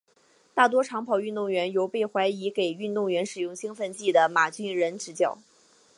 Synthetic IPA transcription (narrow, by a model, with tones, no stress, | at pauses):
t̪a˥˩t̪wɔ˥ʈ͡ʂʰɑ˧˥ŋpʰɑ˨˩ʊy˥˧nt̪ʊ˥˩ŋɥɛ˧˥njo˧˥ʊpe˥˩ɪxwa˧˥ɪi˧˥ke˨˩ɪy˥˧nt̪ʊ˥˩ŋɥɛ˧˥nʂɻ̩˨˩jʊ˥˩ŋɕi˥ŋfə˥˧nt͡ɕi˥˩d̪ə˩ma˨˩t͡ɕy˥nɻə˧˥nʈ͡ʂɻ̩˧˥t͡ɕjɑ˨˩˦ʊ